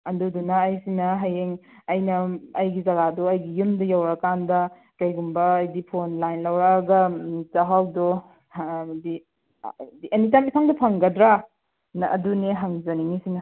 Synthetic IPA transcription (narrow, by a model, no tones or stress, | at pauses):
ɐdudunɐːjsinɐɦajeŋ | ɐjnɐɐjɡizɐɡadɔɐjɡijumdɐjawɾakandɐ | kɐjɡumbɐːjdipʰonlajnlɐwɾaɡɐzaɦawdo | di | diʔɐnitamipʰaŋdɐpʰɐŋɡɐdɾa | nɐʔɐ̰duneɦaŋzɐniŋisinɐ